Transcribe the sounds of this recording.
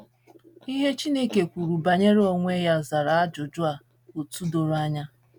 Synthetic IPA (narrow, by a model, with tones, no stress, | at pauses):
i˦ɦe˦t͡ʃi˦ne˦ke˨kʷu˨ɾu˨ba˨ɲe˦ɾe˦o˦ŋʷ˦e˦ja˦za˨ɾa˨a˦d͡ʒʊ˨d͡ʒʊ˦a˨ | o˨tu˦do˨ɾa˦ɲa˦